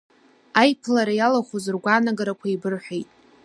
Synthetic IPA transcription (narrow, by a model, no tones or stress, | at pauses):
ajpʰlaɾajalaχʷozɨrɡʷanaɡaɾakʷʰaibɨrħʷᶣejtʼ